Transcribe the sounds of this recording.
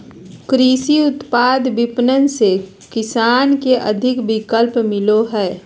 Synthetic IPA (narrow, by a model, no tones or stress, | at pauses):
kɾiːsiʊt̪paːd̪bɪpnənse | kɪsaːnkeʔə̰d̪ʱɪkbɪkəlpmɪloɦɛː